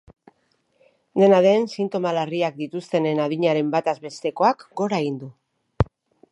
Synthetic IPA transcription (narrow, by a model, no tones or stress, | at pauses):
d̪e̞naðe̞nsint̪o̞malariak̚d̪it̪ust̪e̞ne̞naðiɲaɾe̞mbat̪azβe̞st̪e̞ko̞akɡo̞ɾaeɣ̞ind̪u